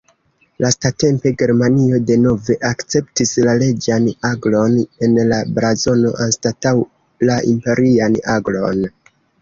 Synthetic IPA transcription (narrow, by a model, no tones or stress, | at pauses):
lastate̞mpe̞ɡe̞ɾmanio̞de̞no̞ve̞ʔakt͡se̞ptislale̞d͡ʒanaɡlo̞ne̞nlabɾazo̞no̞ʔanstataw | laʔimpe̞ɾianaɡlo̞̰n